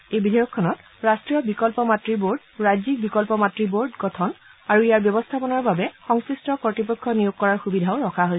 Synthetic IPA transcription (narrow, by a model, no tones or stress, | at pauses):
ejbidʱejɔkʰːɔnɔt | ɹastɹijɔbikɔlpɔmatɹiboɹd | ɹajzik̚bikɔlpɔmatɹiboɹdɡɔtʰɔnaɹuijaɹbjɔbɔstʰapɔnɔɹbabɛxɔŋsɹistɔkɔɹtip̬ɔkʰːɔnijoɡ̚kɔɹaɹxubidʱaʊɹɔkʰaɦojs